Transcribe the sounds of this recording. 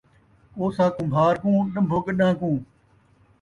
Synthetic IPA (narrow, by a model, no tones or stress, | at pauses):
oːsãːkʊmbʱaːɾkũːɗəmbʱʊɠɗãːkũː